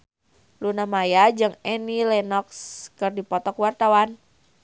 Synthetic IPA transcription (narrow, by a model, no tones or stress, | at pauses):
lunamajad͡ʒɨŋɛnilɛnɔkskɨrdipɔt̪ɔkwart̪awan